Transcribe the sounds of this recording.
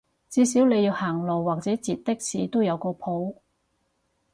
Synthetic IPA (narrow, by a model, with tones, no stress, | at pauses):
t͡siː˧siː˨˥wle˨˧jiː˧whaː˨˩ŋlo˨˩wːaː˨k̚t͡sɛː˨˥t͡siː˨t̚t̪ɪ˥k̚siː˨t̪o˥wjɐ˨˧wkɔː˧pʰo˨˥w